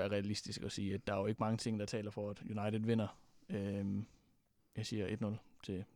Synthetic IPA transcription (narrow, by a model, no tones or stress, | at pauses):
æɐʁɛælisd̥isɡ̥ɒsiːæd̥ːɑ̈æɐjoe̝ɡ̥əmɑ̈ŋət͡sʰe̝ŋ̰d̥ɑ̈t͡sʰɛ̰ːlɐfɒæd̥junɑ̈ɪd̥ð̩ˠʋe̝nɐø | jɑ̈ɪsiːɐʔe̝d̥nɔ̽lt͡sʰe̝